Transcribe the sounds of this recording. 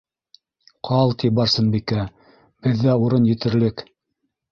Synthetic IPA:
qʰɑlˠt̪ibɑɾsɤnbikæ | b̥ɘ̆ðːæuɾɤnjɘ̆t̪ɘ̆ɾlɘk

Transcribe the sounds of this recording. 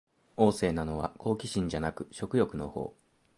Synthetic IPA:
o̞ːse̞ːnano̞βa̰ko̞ːkʲiɕĩɲ̟d͡ʑanakɯ̟̥ɕo̞kɯ̟jo̞kɯ̟no̞ho̞̰ː

